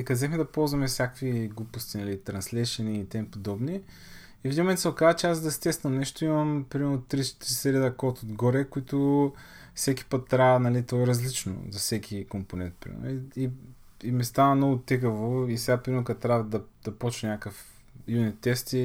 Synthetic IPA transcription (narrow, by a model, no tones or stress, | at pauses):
ɛkɐzɛxmɛd̪ɐpɔlˠzvɐmɛfsʲjakviɡlupʊst̪inɐlit̪ɾɐnslɛʃɐniit̪ɛmpod̪ɔbni | ifd̪ʲimõmɛnt̪sɛokazət͡ʃɛazd̪ɐst̪ɛst̪ɐmnɛʃt̪oimɐmpɾimɛɾnʊt̪ɾit̪ɾisɛɾid̪ɐkɔt̪od̪ɡɔɾɛkoit̪ʊ | fsɛkʲi̥pət̪ːɾanɐlit̪ɔɛɾɐzlit͡ʃno̰zɐsɛkʰʲikomponɛ̰nt̪̚pɾḭɛ̰i | imɛst̪anɐnɔɡʊt̪ɛkəvoisɛɡapɾʲimɛɾnʊkɐt̪ːɾavd̪ɐd̪̥ɐpɔt͡ʃnɐnʲakəf | junit̪ːɛst̪i